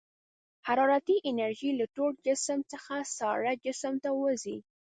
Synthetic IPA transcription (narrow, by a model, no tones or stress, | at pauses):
haɾɑɾat̪iʔɪnaɾʒilaʈoɽ̚d͡ʒɪsəmt͡səxasɑɾad͡ʒɪsəmt̪awəzi